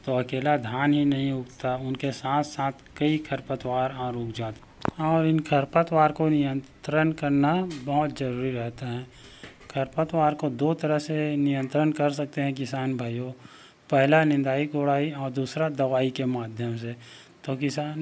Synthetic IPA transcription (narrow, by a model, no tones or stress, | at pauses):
t̪oɐkeːlad̪ʱjaːnɦinɐɦĩʊkt̪aʊnkesaːt̪ʰsaːt̪ʰkɐikʰəɾpət̪waːɾaːɾuːkʰd͡ʒaːt̪ | ɔːɾɪnkʰəɾpət̪waːɾkonɪjə̃ntt̪ɾənkɐɾnabɐɦʊt̪zəɾuːɾiɾɛɦt̪aɦɛ̃ː | kʰəɾpət̪waːɾkod̪oːt̪əɾəɦsenɪjə̃nt̪ɾənkɐɾsɐk̚t̪eɦɛ̃kɪsaːnbʱaːjo | pɛɦlanɪ̃nd̪aːikoːɽaːiɔːɾd̪uːsɾad̪ɐʋaːikemaːd̪ʱjəmse | t̪okɪsaːn